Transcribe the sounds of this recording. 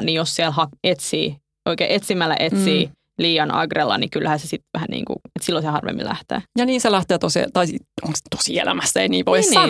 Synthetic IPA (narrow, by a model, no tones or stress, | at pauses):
nijossielhɑket̪sḭː | ʔoikḛːʔet̪simːælːæ̰ʔet̪siː | liːjɑnɑ̰ɡrelːɑ̰nikylhæːsesit̪ʋæhænḭːŋkṵet̪silːosehɑrʋḛmːḭlæ̰ht̪ḛːjɑniːselæht̪eːt̪osḭt̪ɑioŋst̪o̥sḭḛlæ̰mæst̪æeiniːʋoinɑ